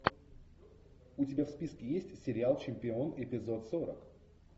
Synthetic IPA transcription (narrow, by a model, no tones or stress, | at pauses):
ʊtʲɪbʲafspʲiskʲɪjesʲtʲsʲɪɾʲɪalˠt͡ɕɪmʲpʲɪo̞nɪpʲɪzo̞t̪soɾə̰k